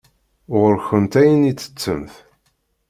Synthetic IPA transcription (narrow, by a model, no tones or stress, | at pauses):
ʁɾçənt̪æjənit͡sːə̥t͡sːəmθ